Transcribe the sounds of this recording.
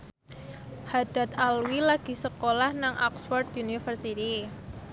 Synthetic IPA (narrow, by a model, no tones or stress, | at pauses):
had̪̥a̤t̪̚alwilaɡ̥i̤səkolahnaŋʔɔ̰ksfɔrd̪unifərsit̪i